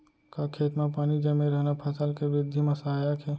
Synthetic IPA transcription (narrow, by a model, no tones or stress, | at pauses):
kakʰeːt̪mapaːnid͡ʒɛmeɾəɦnapʰɐsəlkeʋɾɪd̪ʱːimesaɦaːjakɦɛː